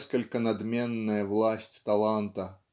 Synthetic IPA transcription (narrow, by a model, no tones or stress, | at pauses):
skɐlʲkɐnad̪mʲɛnːɐjɐvlˠasʲt͡sʲt̪alˠant̪ɐ